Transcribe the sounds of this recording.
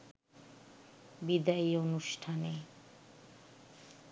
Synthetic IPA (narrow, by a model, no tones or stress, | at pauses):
bid̪aionuʃʈʰane